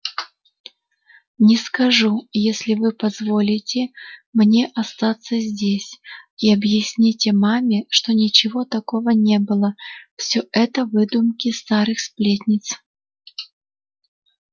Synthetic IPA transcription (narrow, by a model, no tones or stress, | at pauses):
nʲɪskɐʐujesʲlʲɪvɨpɐzvo̞lʲɪtʲɪmnʲe̞ʔɐst̪at̪sːəzʲdʲesʲiɐbjɪsʲnʲitʲmamʲɪʂt̪o̞nʲɪt͡ɕɪvo̞t̪ɐko̞vənʲe̞bɨlˠəfsʲoʔɛt̪əvɨd̪ʊmkʲɪst̪aɾɨxsplʲet̪ʲnʲɪt̪s